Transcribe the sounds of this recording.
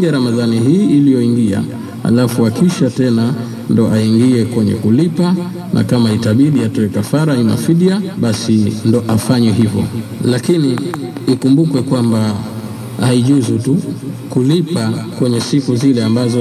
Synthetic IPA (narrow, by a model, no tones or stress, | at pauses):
ɡɛɾamaðaniɦiːlijɔiŋɡia̰ | ha̰lafuakiʃatɛna | ndɔʔaiŋɡiɛkwɛɲɛ̰kulipa | nʔa̰kamaitaɓiɗiatɔɛkafaɾaina̰fiɗiaɓasindɔʔafaɲɛɦivɔ̰lakiniːkumbukwɛkwamba | haiʄuzutukulipakwɛɲɛsikuzilɛambazɔ